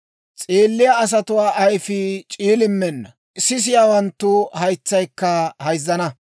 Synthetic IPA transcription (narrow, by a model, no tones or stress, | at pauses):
t͡sʼeːlːɪjaːs̬ɐt̪ʊwaːʔɐjfɪt͡ʃʼiːlɪmːɛnːɐ | sɪs̬ɪjaːwɐnt̪ːʊhɐjt͡sːɐjkːɐhɐjzːɐnɐ